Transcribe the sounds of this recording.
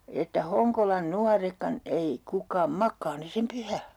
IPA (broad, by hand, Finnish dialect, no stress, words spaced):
etːæ hoŋkolɑn nuɑrekːɑn ei kukˑɑːm mɑkˑɑː ne sem pyhæ